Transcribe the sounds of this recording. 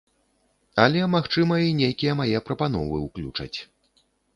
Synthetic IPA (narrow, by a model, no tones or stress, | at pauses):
ɐlʲɛmaxt͡ʂɨmɐinʲejkʲijɐmajɛpɾɐpanɔ̰vɨwklʲṵt͡ʂɐ̰t͡sʲ